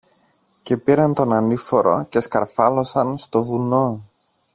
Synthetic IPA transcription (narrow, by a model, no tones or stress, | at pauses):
ce̞piɾɐnt̪o̞nɐnifoɾo̞̰ce̞skɐɾfɐlo̞sɐnst̪o̞vuno